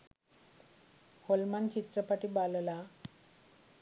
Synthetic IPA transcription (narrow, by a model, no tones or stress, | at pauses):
holmant͡ɕit̪ɾəpaʈiːballa